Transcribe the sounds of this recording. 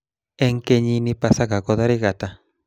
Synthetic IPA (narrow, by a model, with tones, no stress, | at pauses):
e˦ŋke˧ɲĩ˧nĩ˧pa˧sa˦ka˨ko˧ða˦ɾi˦ɣa˨t̪a˦